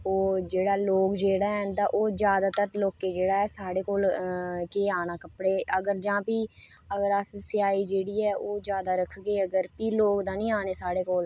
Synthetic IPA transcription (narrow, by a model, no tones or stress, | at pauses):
oːd͡ʒeːɽaːloːkd͡ʒeːɽaːɛnd̪aːʔoːd͡ʒjaːd̪aːt̪əɾloːkeːd͡ʒeːɽaːɛːsaːɽeːkoːlkeːaːnaːkəpɽeːəɡəɾd͡ʒãːpiː | əɡəɾəssɪaːiːd͡ʒeːɽiːɛːʔoːd͡ʒjaːd̪aːɾəkʰɡeːəɡəɾpiːloːkd̪ãːnĩːaːneːsaːɽeːkoːl